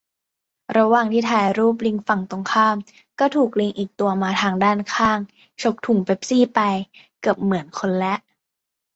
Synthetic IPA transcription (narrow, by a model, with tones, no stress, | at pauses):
ɾa˧waː˨˩ŋt̪ʰiː˥˩t̪ʰaː˧jɾuː˥˩p̬̚li˧ŋfa˨˩ŋt̪o˧ŋkʰaː˥˩m | kɔː˥˩t̪ʰuː˨˩k̚li˧ŋʔiː˨˩k̚t̪u˧ɐmaː˧t̪ʰaː˧ŋdaː˥˩nkʰaː˥˩ŋ | t͡ɕʰo˦˥k̚t̪ʰu˨˩˦ŋpʰe˦˥p̚siː˥˩pa˧j | kɯ˨˩əp̚mɯ˩˦ənkʰo˧nlɛ˦˥ʔ